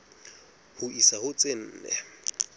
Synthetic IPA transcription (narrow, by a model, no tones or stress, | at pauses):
hʊʔisahʊt͡sʼen̩ːnɛ̰